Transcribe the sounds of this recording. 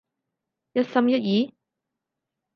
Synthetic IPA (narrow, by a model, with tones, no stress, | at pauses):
jɐ˥t̚sɐ˥mjɐ˥t̚jiː˨˥